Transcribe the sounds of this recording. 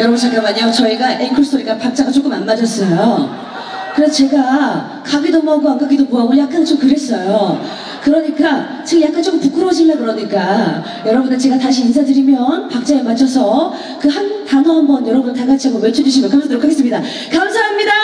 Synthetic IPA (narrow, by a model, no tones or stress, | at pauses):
jʌɾʌbunt͡ɕʰak͈amaɲiot͡ɕʌiɡaʔenkʰoɭstʰoɾiɡapak̚t͡ɕ͈aɡat͡ɕ͈ok͈ɯmanmad͡ʑʌs͈ʌjo | kɯɾe̞s̬ʰʌt͡ɕe̞ɡa | kaɡidomoɦaɡoak͈aɡidomuɦaɡojak͈ant͡ɕomkɯɾe̞s͈ʌjo | kɯɾʌɲik͈a | t͡ɕejak͈ant͡ɕ͈okɯmpuk͈ʰɯɾowoɕ̬ʰimːankɯɾʌɲik͈a | jʌɾʌbundet͡ɕe̞ɡataɕ̬ʰiːnsʰadɯɾimjʌnpak̚t͡ɕ͈aemat͡ɕʰʌsʰʌ | kɯhantanʌɦambʌnjʌɾʌbunɭtaɡat͡ɕʰiaɡomjʌt͡ɕʰedd͡ʑuɕ̬ʰimonkʰamsʰadɯɾokʰaɡes͈ɯmɲida | kamsʰaɦamɲida